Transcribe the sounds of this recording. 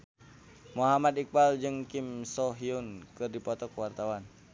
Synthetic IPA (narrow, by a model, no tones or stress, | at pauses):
muɦamad̪ik̚bald͡ʒɨŋkimsɔɦiunkɨrdipɔt̪ɔkwart̪awan